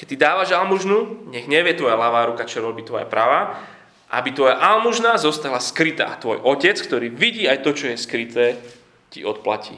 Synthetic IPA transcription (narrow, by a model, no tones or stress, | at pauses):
kɛc̚t̪ːid̪aːʋaʒalmuʒnuɲɛɣɲɛʋɪjɛt̪ʋɔjalaʋaːɾukat͡ʃɔɾɔbit̪ʋɔjɛ̰pɾaʋa | ʔa̰bit̪ʋɔjaʔalmuʒnazɔst̪aɦlaskɾit̪a̰ːt̪ʋɔ̰jʔɔcɛt͡skt̪ɔɾiːʋiɟiːajt̪ɔt͡ʃɔjɛskɾit̪ɛː | cḭɔt̪̚pla̰cḭː